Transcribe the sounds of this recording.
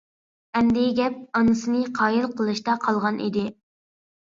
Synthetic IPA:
ɛnd̪ɪɡʲɛp̚ɑnɨsɨnɨqʰɑːjilˠqʰəlˠɨʃt̪ɑqʰɑlˠʁɑnʔḭd̪ɪ

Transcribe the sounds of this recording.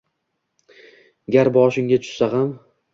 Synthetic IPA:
ɡʲaɾbɒʃɪŋɡʲat̪ʰʊ̥ʃsaham

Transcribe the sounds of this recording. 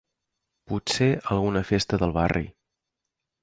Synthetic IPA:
puseʔəlˠɣunəfest̪əðəlˠβarḭ

